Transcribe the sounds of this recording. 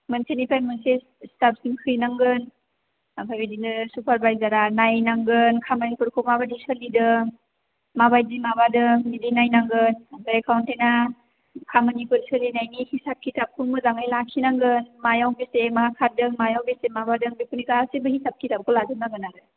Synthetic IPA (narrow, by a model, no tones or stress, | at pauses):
mɯnsenipajmɯnse | i̥sap̚siŋkʰɯjnaŋɡɯn | apʰajbidinɯsupʰaɾbajzaɾanajnaŋɡɯnkʰamanipɯɾkʰomabadisɯlidɯ | mabajdimabadɯŋnidinajnaŋɡɯnapaɾekʰawntena | kʰamanipɯɾsɯlinajnihisap̚kʰitap̚kʰumɯzaŋajlakʰinaŋɡɯnmajawbesemaakʰadɯŋmajawbesemabadɯŋbipunikasebɯhisap̚kʰitap̚kʰoladɯnaɡɯnaɾɯ